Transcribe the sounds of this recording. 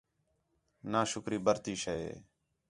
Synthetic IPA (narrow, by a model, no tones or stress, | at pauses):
naːʃʊkɾiːbəɾt̪iːʃeːḛː